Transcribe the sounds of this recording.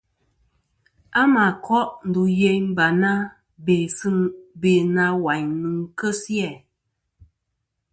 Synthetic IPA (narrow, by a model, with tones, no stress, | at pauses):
a˦ma˨kʰɔ˦ʔn̩˨du˨je˦ɲm̩˦ba˨na˦ | be˨sɨ˦nbe˨na˦wa˨ɲnɨ˨ŋ˦kə˦sjɛ˦˨